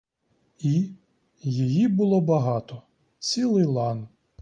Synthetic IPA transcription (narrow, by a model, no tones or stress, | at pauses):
i | jijibʊlˠɔbɐɦɑt̪ɔ | t͡sʲilˠɪjlˠɑn